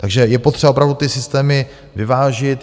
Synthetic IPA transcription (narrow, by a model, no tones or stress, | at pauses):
t̪aɡʒɛjɛpot̪rɛbaopɾavdut̪ɪsɪst̪ɛːmɪ | vɪvaːʒɪt̪